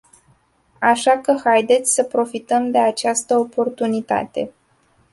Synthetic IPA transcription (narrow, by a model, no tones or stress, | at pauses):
aʃakəxajd̪e̞t̪sʲsəpɾo̞fit̪əmd̪e̞at͡ʃast̪əo̞po̞rt̪unit̪a̰t̪e̞̰